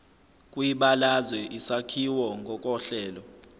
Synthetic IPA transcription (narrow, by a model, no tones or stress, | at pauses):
kʼwiɓalazwɛʔisakʰiwɔŋɡʱɔkʼɔɬɛːlɔ